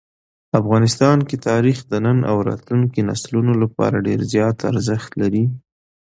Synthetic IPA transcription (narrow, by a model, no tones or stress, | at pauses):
afɣɑnɪst̪ɑnket̪ɑɾixd̪ənəna̰wɾɑ̰t̪luŋkina̰slunolapɑ̰ɾaɖeɾzjɑt̪a̰ɾzəxt̪laɾi